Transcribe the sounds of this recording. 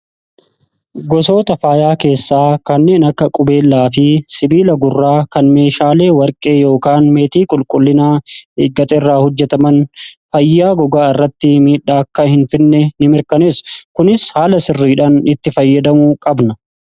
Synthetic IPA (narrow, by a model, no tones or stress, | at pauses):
ɡɔso̞ːt̪ɐfaːjaːke̞ːsːaːkɐnːe̞ːnɐkːɐkʼʊbe̞ːlːaːfɪsɪbiːlɐɡʊrːaːkɐnme̞ːʃaːle̞ːwɐɾkʼe̞ːjo̞ːkaːnme̞ːt̪iːkʼʊlkʼʊlːɪnaːeɡɐt̪ʼɛrːaːhɔd͡ʒːɛt̪ɐmɐnfɐjːaːɡɔɡaːɪrːɐt̪ːɪmiːᶑːaːɐkːɐhɪnfɪnːɛnɪmɪɾkɐneːskʊnɪshaːlɐsɪrːiːᶑanɪt̪ːɪfɐjːɐd̪ɐmuːkʼɐbnɐ